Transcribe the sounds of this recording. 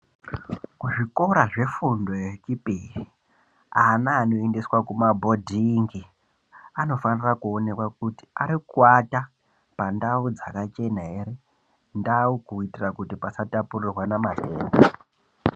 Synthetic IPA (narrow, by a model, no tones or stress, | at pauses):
kuʐiko̞ɾaʐe̞fundo̞t͡ʃipiri | aːnaːno̞endiswakumabʱo̞dʱiŋɡi | ano̞fanirakuo̞ne̞kwakuti̥aɾikwata | pandaud͡zakat͡ʃe̞naɦe̞ɾe | ndaukuitirakutipasatapurirwanamate̞̰ːmbo